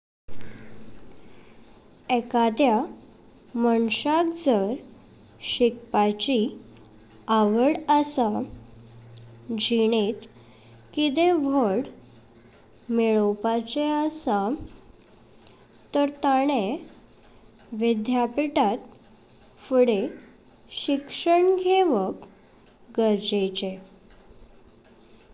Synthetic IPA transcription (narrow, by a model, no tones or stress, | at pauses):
ɛkad̪ja | məɳɕakd͡zəɾ | ɕikpat͡ɕi | aʋəɽəsa | d͡ʑiɳ̃et̪ | kit̪eʋʱəɽ | meɭopat͡ɕeəsa | t̪əɾt̪aɽ̃e | ʋid̪ʱjapiʈat̪ | fuɽe | ɕikʂəɳɡʱeʋək | ɡəɾd͡ʑet͡ɕe